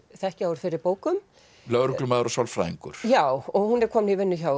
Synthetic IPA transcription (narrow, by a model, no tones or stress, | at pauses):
θɛhcɪawɾ̥fɪɾɪɾpoːwkʏm | lœɣɾʏlʏmaːðɾɔsawlfɾa̰ːjḭŋkʏ̰ɾ̥jawɔɣhunɛɾ̥kʰɔːmnivɪnːʏçaw